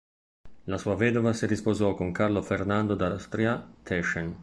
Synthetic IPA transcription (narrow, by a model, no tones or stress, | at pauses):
lasuːavɛːd̪ovasiɾispozɔkoŋkarlofernand̪od̪ast̪ɾiat̪ʰɛʃɛn